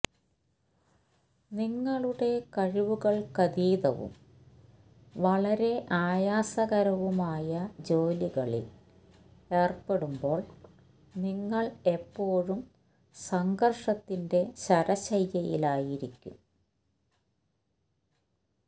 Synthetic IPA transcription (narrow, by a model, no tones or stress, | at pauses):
niŋːɐɭuɽe̞kɐɻiʋuɣɐɭkɐðiːðɐ̰ʋṵm | ʋɐɭɐɾe̞ʔaːjaːsɐɣɐɾɐʋumaːjɐd͡ʑo̞ːliɣɐɭḭl | e̞ːrpe̞ɽumbo̞ːɭ | niŋːɐɭepːo̞ːɻum | sɐŋɡɐrʂɐt̪ːinde̞ɕɐɾɐɕɐjːɐjilaːjiɾikʲːṵm